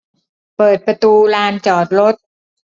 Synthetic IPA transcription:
pɤː˨˩t̪̚pɾa˧t̪uː˧laː˧nt͡ɕɔː˨˩t̪̚ɾo˦˥t̪̚

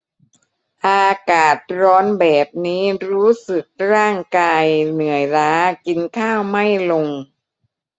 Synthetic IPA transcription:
ʔaː˧kaː˨˩t̪̚ɾɔː˦˥nbɛː˨˩p̚niː˦˥ɾuː˦˥sɯ˨˩k̚ɾaː˥˩ŋkaː˧jnɯ˨˩˦əjɾaː˦˥ki˧nkʰaː˥˩wma˥˩jlo˧ŋ

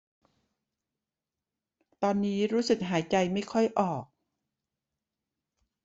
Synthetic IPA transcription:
t̪ɔː˧nːiː˦˥ɾuː˦˥sɯ˨˩k̚ɦaː˩˦jt͡ɕa˧jma˥˩jkʰɔ˥˩jʔɔː˨˩k̚

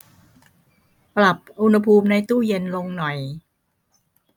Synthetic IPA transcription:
pɾa˨˩p̚ʔu˧nha˧pʰuː˧mna˧jt̪uː˥˩je˧nlo˧ŋnɔ˨˩j

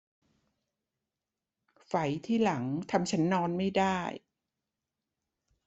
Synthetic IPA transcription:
fa˩˦jt̪ʰiː˥˩la˩˦ŋt̪ʰa˧mt͡ɕʰa˦˥nːɔː˧nma˥˩jda˥˩j

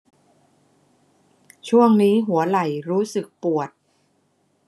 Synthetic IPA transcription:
t͡ɕʰu˥˩əŋniː˦˥ɦu˩˦ɐla˨˩jɾuː˦˥sɯ˨˩k̚pu˨˩ət̪̚

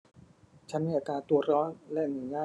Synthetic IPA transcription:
t͡ɕʰa˦˥nmiː˧ʔa˨˧˩t̪ɾaː˧t̪u˧ɐɾɔː˦˥nlɛ˦˥ʔnu˩˦ɲaː˥˩

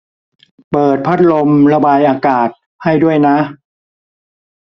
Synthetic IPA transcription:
pɤː˨˩t̪̚pʰa˦˥t̪̚lo˧mɾa˧baː˧jʔaː˧kaː˨˩t̪̚ | ha˥˩jdu˥˩əjna˦˥ʔ

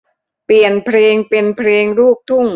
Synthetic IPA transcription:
pli˨˩ənpʰɾeː˧ŋpe˧npʰɾeː˧ŋɾuː˥˩k̚t̪ʰu˥˩ŋ

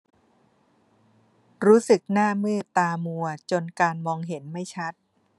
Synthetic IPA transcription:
ɾuː˦˥sɯ˨˩k̚naː˥˩mɯ˥˩ɐt̪aː˧mu˧ɐt͡ɕo˧nkaː˧nmɔː˧ŋɦe˩˦nma˥˩jt͡ɕʰa˦˥t̪̚

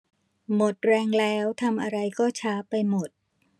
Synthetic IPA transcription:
mo˨˩t̪̚ɾɛː˧ŋlɛː˦˥wt̪ʰa˧mʔa˧ɾa˧jkɔː˥˩t͡ɕʰaː˦˥pa˧jmo˨˩t̪̚

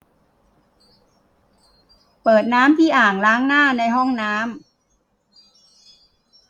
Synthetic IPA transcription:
pɤː˨˩t̪̚naː˦˥mt̪ʰiː˥˩ʔaː˨˩ŋlaː˦˥ŋnaː˥˩na˧jɦɔ˥˩ŋnaː˦˥m

